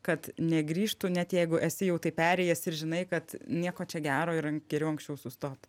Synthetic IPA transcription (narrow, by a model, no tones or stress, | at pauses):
kɐt̪nʲɛɡɾʲiːʃt̪ʊnʲɛt̪jɛɪɡʊʔɛsʲɪjɛʊt̪ɐɪpʲæːɾʲɛɪjɛsɪɾʒʲɪnɐɪkɐt̪nʲiɛkoːt͡ʃʲɛɡʲæːɾoːɪɾɐŋɡʲɛɾʲɛʊɐŋksʲt͡ʃʲɛʊsʊst̪oːt̪